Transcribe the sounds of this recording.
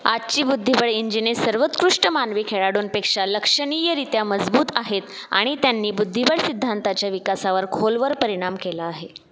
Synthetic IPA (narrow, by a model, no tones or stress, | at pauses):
at͡ɕiːbud̪ʱːibəɭiɲd͡ʑinesəɾʋət͡s̪kɾuʂʈəmanʋiːkʰeɭaɽoːnpekʂaləkʂəɳ̃ijəɾit̪jaməd͡zbuːt̪aɦet̪ | a̰ɽ̃it̪janːiːbud̪ʱːibəɭsid̪ʱːant̪at͡ɕjaʋikasaʋəɾkʰolʋəɾpəɾiɽ̃amkelaːɦe